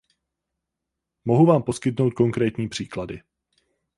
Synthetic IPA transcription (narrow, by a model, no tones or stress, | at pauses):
mo̞ɦuvaːmpo̞skɪt̪̬no̞wt̪̚ko̞ŋkɾɛːt̪ɲiːpr̥iːkladɪ